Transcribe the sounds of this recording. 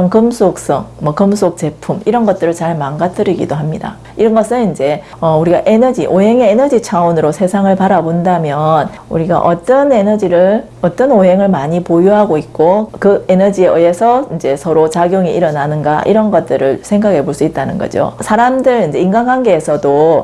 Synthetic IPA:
ʌnkɯmsʰok̚s͈ʌŋmwʌkɯmsʰok̚t͡ɕ͈e̞pʰumiɾʌnɡʌt̚t͈ɯɾɯɭt͡ɕaɭmanɡatʰɯɾiɡḭdoɦamɲida̰ | iɾʌnɡʌsʰɯnind͡ʑe̞ | ʌuɾiɡaʔenʌd͡ʑiʔoɦe̞ŋe̞ːnʌd͡ʑit͡ɕʰaonɯɾosʰe̞sʰaŋɯɭpaɾabondamjʌn | uɾiɡa̰ʔʌt͈ʌne̞nʌd͡ʑiɾɯɭ | ʌt͈ʌnoɦe̞ŋɯɭmaɲipojuɦaɡoik̚k͈okɯenʌd͡ʑieʌesʰʌind͡ʑe̞sʰʌɾot͡ɕaɡjoŋiʔiɾʌnanɯnɡa̰ʔḭɾʌnɡʌt̚t͈ɯɾɯɭsʰe̞ŋɡaɡe̞poɭs͈uit̚t͈anɯnɡʌ̰d͡ʑo̰sʰaɾamdɯɾind͡ʑe̞inɡanɡanɡe̞ːsʰʌdo

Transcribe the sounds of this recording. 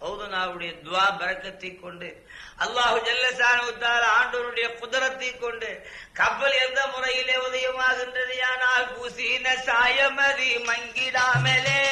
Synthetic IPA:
pɐːðɯnaːʋɯɽɐjɐd̪ʊaːbɐɾɐkːɐt̪ːɐɪkːɔɳɖɯ | ɐlːaːɦɯd͡ʒɐlːɐsaːnɐʋɐt̪ːaːlɐaːɳɖɐʋɐɾɯɽɐjɐkʊðɪɾɐt̪ːɐɪkːɔɳɖɯ | kɐpːɐlɛnd̪ɐmʊrɐjɪleːʊðɐjɐmaːɣɪndrɐðɯjaːnaːlkuːsinɐsaːjɐmɐðimɐŋɡɪɽaːmɐleː

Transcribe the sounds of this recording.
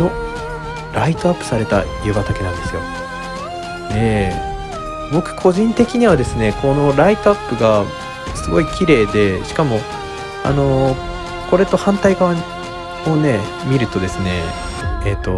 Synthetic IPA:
no̞ | ɾait̪oapːɯ̥saɾe̞t̪a̰iebat̪ake̞nãnd̪e̞sɨjo̞̰ | eː | bo̞kɯ̟̥kʰo̞ʑĩnt̪e̞kʲiɲ̟iβad̪e̞sɨne̞kʰo̞no̞ɾait̪oapːɯ̟ɡa | sɨɡo̞ikʲiɾe̞ːd̪e̞ɕi̥kamo̞ | a̰no̞ | ko̞ɾe̞t̪o̞hãnt̪aikã | one̞ | mʲiɾɯ̟t̪o̞d̪e̞sɨne̞̰ː | t̪ːo̞

